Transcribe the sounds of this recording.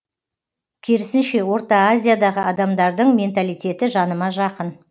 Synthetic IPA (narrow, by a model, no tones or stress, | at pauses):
kʲʰeɾɪsɪnʃe̞wo̞ɾt̪ɑazʲijad̪ɑʁəɑd̪ɑmd̪ɑɾd̪əɴmʲe̞nt̪alijt̪ʲe̞t̪ɪʒɑnəmɑʒɑqən